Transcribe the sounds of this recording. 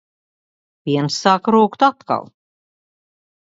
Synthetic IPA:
vʲiɛnsːaːkɾuːkt̪at̪ka̰lˠ

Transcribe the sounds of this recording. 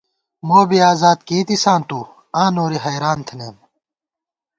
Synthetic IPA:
moːbiaːzaːd̪keːt̪isãːnt̪u | ãːnoːɾiɦɐjɾaːnt̪ʰneːm

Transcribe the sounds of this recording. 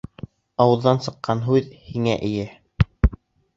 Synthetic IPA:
ɑwɤ̆ðːɑnsɤ̆qːɑnɦʉðhiŋæʔɘ̆jæ

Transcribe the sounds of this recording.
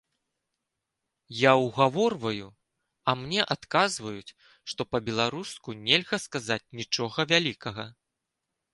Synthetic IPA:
jawɣavɔrvɐju | ɐmnʲɛʔat̪kazvɐjut͡sʲ | ʂt̪ɔpɐbʲɛlˠaɾuskunʲɛlʲɣɐskazat͡sʲnʲit͡ʂɔɣɐvʲalʲikɐɣɐ

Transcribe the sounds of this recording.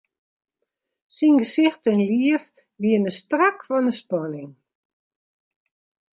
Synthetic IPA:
sinɡəsɪxtɛnliəf | ʋiənəstrakfɔnəspɔnɪŋ

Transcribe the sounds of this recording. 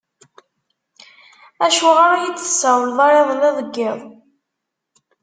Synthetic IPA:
æʃʊʁaɾjət͡sːə̥sːæwəlðˤɑɾeðˤəlæðəɡːɪðˤ

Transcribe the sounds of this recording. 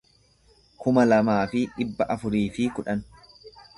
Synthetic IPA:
kʊmɐlɐmaːfɪᶑɪbːɐʔɐfʊɾiːfɪkʊᶑɐn

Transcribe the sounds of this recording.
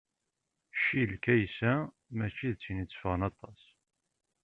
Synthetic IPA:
ʃilkæjsæ | mæt͡ʃːiðt͡sːinit͡sːfʁənɑt̪ˤːɑs

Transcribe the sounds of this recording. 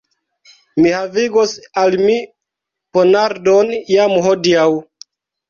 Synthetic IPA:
mihaviɡosalmi | ponaɾdonjamɦodiaw

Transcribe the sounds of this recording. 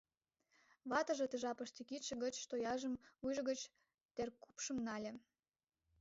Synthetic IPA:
βɑt̪ɤ̆ʒĕt̪əʒɑpəʃt̪ikit̪ʃə̆ɣə̆t͡ɕt̪ojɑʒə̆mujʒəɣə̆t͡ɕ | t̪erku̥pʃə̆mnɑlʲĕ

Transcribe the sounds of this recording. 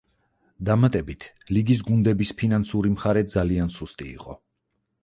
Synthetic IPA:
d̪amat̪ʼɛbit̪ʰ | liɡis̬ɡund̪ɛbispʰinansuɾimχaɾɛd̪zaliansust̪ʼḭːqʼɔ

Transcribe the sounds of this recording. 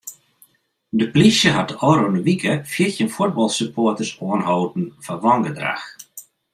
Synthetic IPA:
dəplisjəɦat̚əɔɾonəʋikʰəfjiərtjənfʊt̚bɔlˠsəpʰoːtərsoənɦowdn̩faʋɔŋɡədra̰x

